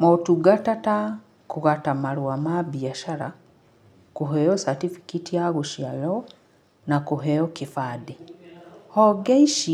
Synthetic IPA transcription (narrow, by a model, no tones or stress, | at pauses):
motuɡatata | kuɣatamaɾwamabiaʃaɾa̰ | kuɦɛjɔsatifi̥kitiaɣuʃjalɔ | nakuɦɛjɔkifadi | hɔɡeiʃi